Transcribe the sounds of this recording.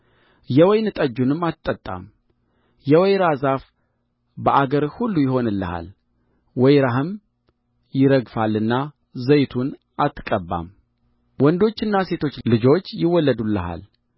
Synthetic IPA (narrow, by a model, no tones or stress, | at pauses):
jɛwɔjnɨt̪ʼəd͡ʒːunɨmːat̪ʼːət̪ʼːa̰m | jɛwɔjɾazaf | bəʔaɡəɾhulːujɪɦo̞nɨlːəha̰l | wɔjɾaɦɨm | jɪɾəɡfalːɨnːa | zəjt̪ʰun | at̪ːɨkʼəbːa̰m | wɔnd̪o̞t͡ʃːɨnːase̞t̪ʰo̞t͡ʃːlɨd͡ʒo̞t͡ʃːjɪwːɔlːəd̪ulːəɦa̰l